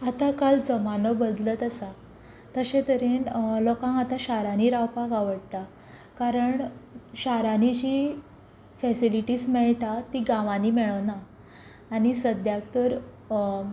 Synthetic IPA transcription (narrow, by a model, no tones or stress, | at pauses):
at̪akald͡zəmanəbəd̪lət̪əsa | t̪əɕẽt̪əɾenlɔkãŋat̪aɕaɾaniɾawpakaʋəɽt̪a | kaɾəɳɕaɾanid͡ʑiː | fɛsiliʈiːsmɛɭʈat̪iɡãʋaniːmɛɭənaː | ɽ̃isəd̪jakt̪əɾ